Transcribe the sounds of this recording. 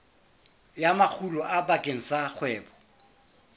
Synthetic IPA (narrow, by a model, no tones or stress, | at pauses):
jamak͡xʰulɔʔabakʼeŋ̩sak͡xʰwɛːbɔ